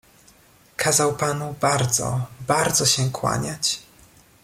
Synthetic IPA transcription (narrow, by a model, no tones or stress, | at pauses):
kʰazawpanubaɾd̪zɔ̰baɾd̪zɔɕɛkwa̰ɲat͡ɕ